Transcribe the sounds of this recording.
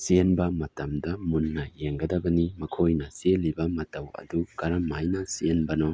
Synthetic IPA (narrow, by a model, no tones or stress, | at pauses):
sienbɐmɐtɐmdɐmunːɐjeŋɡɐdɐbɐnimɐkʰojnɐselibɐmɐtɐwɐ̰dukɐɾɐmːajnɐsienbɐnɔ